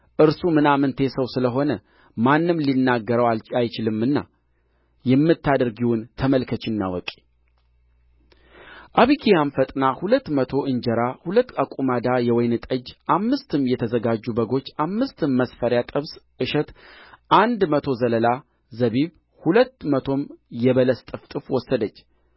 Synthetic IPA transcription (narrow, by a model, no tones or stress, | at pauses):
ʔɨɾsumɨnamɨnt̪ʰe̞səwsɨləɦo̞nə | manːɨmlinːaɡːəɾəwalt͡ʃajt͡ʃɪlɨmːɨnːa̰ | jɛmːɨt̪ːad̪əɾɡiwʊnt̪ʰəməlkʰət͡ʃɪnːa̰wɔ̰kʼe̥ | ʔaβikʰijamfət̪ʼnahulət̪ːmət̪ʰo̞ʔɨnd͡ʒəɾahulət̪ːakʼumad̪ajɛwɔjnɨt̪ʼəd͡ʒʔamːɨst̪ʰɨmjɛt̪ʰəzəɡad͡ʒːubəɡo̞t͡ʃːamːɨst̪ɨmːəsfəɾjat̪ʼɨβsʔɨʃɛt̪ʔand̪mət̪ʰo̞zələla | zəβiβ | hulət̪ːmət̪ʰo̞mjɛβələst̪ʼɨft̪ʼɨfwɔsːəd̪ət͡ʃː